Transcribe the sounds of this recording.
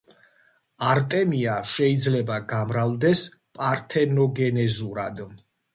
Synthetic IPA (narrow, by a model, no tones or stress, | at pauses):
aɾt̪ʼɛmiaʃɛid̪zlɛbaɡamɾalˠd̪ɛspʼaɾt̪ʰɛnɔɡɛnɛzuɾad̪